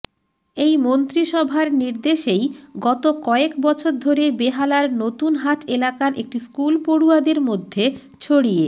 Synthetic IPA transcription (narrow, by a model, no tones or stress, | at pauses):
ejmont̪ɾiʃɔbʱaɾniɾd̪eʃejɡɔt̪okɔekbɔt͡ɕʰoɾd̪ʱoɾebeɦalaɾnot̪unɦaʈʰelakaɾʔḛk̚ʈiskulpoɽuad̪eɾmod̪ʱːe | t͡ɕʰoɽie